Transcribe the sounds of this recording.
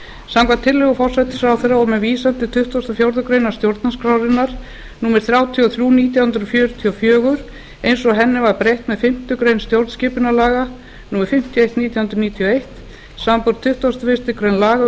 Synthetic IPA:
samkvat̪ʰɪlːʏɣʏfɔr̥sɛjt̪ɪ̥sawθeɾːaɔmɛðviːsant̪ɪt̪ʰʏht̪ɔst̪afjowɾðʏkɾejnast̪jowɾt̪̚naskɾawɾɪnːaɾ̥ | nuːmɪɾ̥θɾjawt̪ʰiɔθɾjuːniːt̪jahʏnd̪ɾfjœːɾʏt̪ʰiɔfjœːɣʏɾ | ejnsɔɣɦɛnːɪvaɾpɾejht̪mɛðfɪm̥t̪ʏkɾejnst̪jowɾt̪scɪːpʏnalaːɣa | nuːmɛɾfɪm̥t̪ʰjɔejht̪niːt̪jahʏnɾʏniːt̪ʰiɔejht̪ | sampɔɾt̪ʰːʏht̪ɔst̪afɪst̪ɪkɾejnlaːɣa

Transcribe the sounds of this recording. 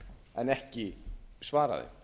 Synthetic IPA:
ɛnɛhcɪsvaːɾa̰ðɪ̰

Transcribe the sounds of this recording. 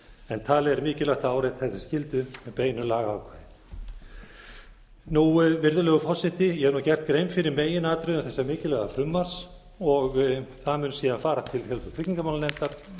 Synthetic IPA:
ɛnt̪ʰaːlɪɛɾmɪːcɪlœht̪aaːwɾejt̪θɛsḁscɪlt̪ʏmɛpeːjnʏlaːɣaawkʰvaðɪ | nuvɪɾðʏlɛːɣʏfɔr̥sɪht̪ɪjɛhɛɾnuwcɛr̥t̪̚kɾejmfɪɾɪɾmeːjɪnaːt̪ɾʏðʏθɛsːamɪːcɪlɛɣafɾʏmːas | ɔɣθaðmʏːnsiːðanfaːɾat̪ʰɪlθjɛlsɔt̪ʰɾɪcniŋkamawlanɛnt̪aɾ̥

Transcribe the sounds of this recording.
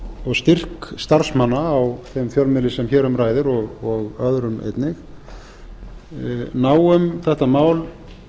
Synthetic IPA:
ɔɣst̪ɪr̥kst̪aɾ̥smanːaːwθɛmfjœlmɪlːɪsɛmçɛːɾʏmraːjðɪɾɔɣɔɣœðɾʏmḛjt̪nɪx | naːwʏmθɛht̪amaːwl

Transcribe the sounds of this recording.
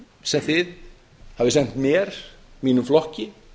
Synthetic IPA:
sɛmθɪð | havðɪsɛn̥t̪mjɛɾ̥miːnʏmflɔhcɪ

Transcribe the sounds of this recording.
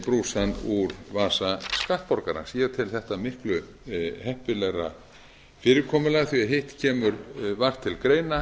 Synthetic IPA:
pɾuːsanuɾvaːsaskaht̪̚pɔɾkaɾa̰siːɣat̪ʰɪlθɛht̪amɪhklʏ | hɛhpɪlɛɾa̰ | fɪːɾɪkʰɔːmʏlaθviaɦeht̪cʰɛːmʏɾvar̥t̪ʰːɪlkɾeːjna

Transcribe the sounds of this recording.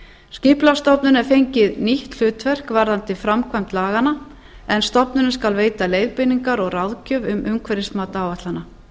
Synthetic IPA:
scɪplast̪ɔpnʏnɛɾ̥fejɲcɪðniht̪l̥ʏːt̪vɛr̥kvaɾðant̪ɪfɾamkʰvajm̥t̪laːɣana | ɛnst̪ɔpnʏnʏskalveːjt̪alejðpɪniŋkaɾɔɣraðcœːvʏmʔʏmkʰvɛɾɪsmaːt̪aaːwvat̪lana

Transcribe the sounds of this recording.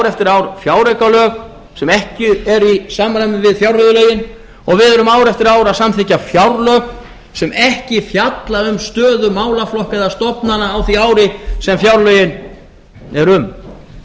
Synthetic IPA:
wɾɛft̪ɪɾaːwɾfjaːwɾɛkalœːk | sɛmɛhcɪɛɾisaːmɾajmɪvɪðfjawɾhœðʏlœɥjɪn | ɔɣvɪðɛɾʏmaːwɾɛft̪ɪɾaːwɾaðsamθʰɪcafjawɾlœːk | sɛmɛhcɪfjat̪laɾʏmst̪œːðʏmaːwlaflɔhkaðast̪ɔpnanaːwθiaːwɾɪsɛmfjawɾlœɥjɪn | ɛɾʏm

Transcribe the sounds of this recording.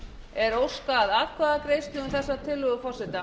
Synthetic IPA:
ɛɾowskaːðaðkʰvaðakɾejst̪ɪʏmθɛsːat̪ʰɪlːʏɣʏfɔrsɛht̪a

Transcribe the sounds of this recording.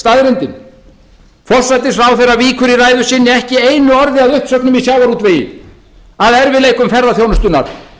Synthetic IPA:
st̪aðɾɪnt̪ɪn | fɔr̥sajt̪ɪsfɾawθɛraviːkʏɾiraːjðʏsɪnːɪɛhcɪejnʏɔɾðɪaðʏhpsœknʏmisjawvaɾuːt̪vɪ | aðɛɾvɪðleːjkʏmfɛrðaθjownʏst̪ʏnaɾ̥

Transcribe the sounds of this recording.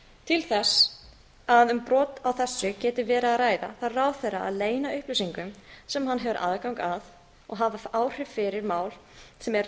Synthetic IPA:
t̪ʰɪlθɛs | aðʏmpɾɔːt̪awθɛsːʏcɛːt̪ɪvɛːɾaːðraːjða̰θaðraːwθɛra̰a̰ðleːjnaʏhplʏsiŋkʏmsɛmɦanːɦɛvʏɾʔa̰ðkawŋkað | ɔ̰ɣɦavaaːwr̥ɪvfɪɾɪɾmaːwlsɛmɛɾ

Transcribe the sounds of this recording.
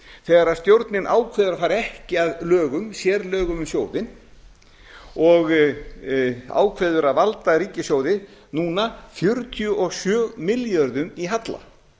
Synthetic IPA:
θɛːɣaɾaðst̪jowɾt̪nɪnʔaːwkʰvɛːðʏɾafaːɾɪɛhcɪaðlœːɣʏmsjɛːɾlœːɣʏmʏmsjoːwðɪn | ɔɣ | a̰ːwkʰvɛːðʏɾaðvalt̪aɾiːcɪsjoːwðɪnuːnafjʏɾt̪ʰjʏʔɔɣsjœːmɪljœɾðʏmiɦat̪la̰

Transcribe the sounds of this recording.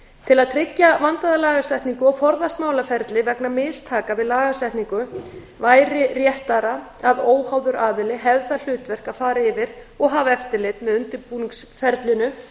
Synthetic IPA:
t̪ʰɪlaðt̪ʰɾɪcːavant̪aðalaːɣasɛht̪niŋkʏɔwfɔɾðast̪maːwlafɛɾt̪lɪvɛknamɪːst̪ʰaːkavɪðlaːɣasɛht̪niŋkʏ | vaːjɾɪrjɛht̪aɾa | aðoːwhawðʏɾaːðɪlɪɦɛvθaðl̥ʏːt̪vɛr̥kafaːɾɪɪvɪɾ | ɔɣɦavɛft̪ɪlɪt̪mɛðʏnt̪ɪɾpuːniŋksfɛɾt̪lɪnʏ

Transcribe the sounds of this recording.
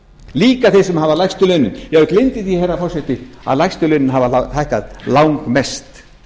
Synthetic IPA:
liːkaθɪ̥sʏmhavalajxst̪ʏlœːɥnʏnjɛɣklɪnt̪ɪðjɛhɛrːafɔr̥sɛht̪ɪa̰ðlajxst̪ʏlœɥnɪnɦavaat̪ajhkaðlawŋkmɛst̪

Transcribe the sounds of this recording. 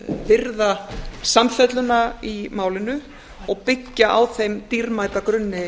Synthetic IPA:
vɪɾðasamfɛt̪lʏnaimaːwlɪnʏ | ɔɣpɪcːaʔawθejmt̪iɾmaːjt̪akɾʏnːɪ

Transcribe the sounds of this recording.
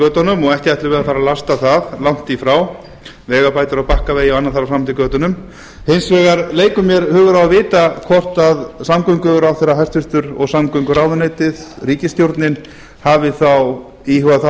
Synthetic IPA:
œːt̪ɔnʏmɔɣɛhc̪ɪajt̪ɪɾvɛːðafaːɾalast̪aθaðlawŋ̥t̪ifɾaw | vɛːɣapaːjt̪ʏɾawpahkaveːjɪɔanːaθaɾawsamnʰikœːt̪ʏnʏm | hensvɛːɣaɾleːjkʏmjɛɾhʏːɣʏɾawavɪːt̪akʰɔr̥t̪aðsamkœɥŋkʏɾawθeːɾaɦajst̪fʏɾ̥t̪ʏɾɔɣsamkœɥŋkʏɾaːwðʏneːjt̪ɪðɾiːcɪst̪jowɾt̪nɪn | haːvɪθaw | ihʏɣaθa

